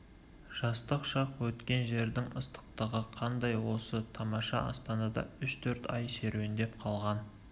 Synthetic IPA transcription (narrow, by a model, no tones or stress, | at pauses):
ʒ̥ɑst̪əqʃɑqwɵt̪kʲe̞nʒe̞ɾd̪ɪŋəst̪ə̥q̚t̪əʁəqʰɑnd̪ɑjwo̞sət̪ʰɑmɑʃɑ̰ɑ̰st̪ɑnɑd̪ɑ̰ʏʃt̪ʰɵɾt̪ɑjse̞ɾuwɪnd̪e̞p̚qʰɑlˠʁɑn